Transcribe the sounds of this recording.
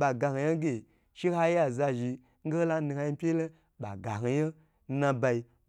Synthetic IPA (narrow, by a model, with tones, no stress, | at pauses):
ɓa˨ɡa˨ha˨je˦ɡʲe˨ | ʃi˦ha˦ja˨za˧ʒi˧ | ŋ̩˦ɡe˦la˦ni˧ha˧ji˦pʲe˦le˦ | ɓa̰˨ɡa˨ɦi˨je˦ | nã˧ba˧i˧